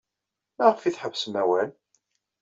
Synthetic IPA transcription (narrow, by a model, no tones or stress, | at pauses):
mæʁəfiθħəvsənæwæl